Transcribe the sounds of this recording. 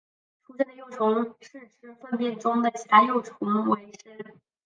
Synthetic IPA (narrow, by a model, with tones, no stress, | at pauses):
ʈ͡ʂʰu˥ʂɛ˥˩d̪ə˩jo˥˩ʊʈ͡ʂʰʊ˧˥ŋʂɻ̩˥˩ʈ͡ʂʰɻ̩˧˥fə˥˧npjɛ˥˩nʈ͡ʂʊ˥ŋd̪ə˨˩t͡ɕʰi˨˩t̪ʰa˥jo˥˩ʊʈ͡ʂʰʊ˧˥ŋwe˧˥ɪʂɻ̩˥˨˩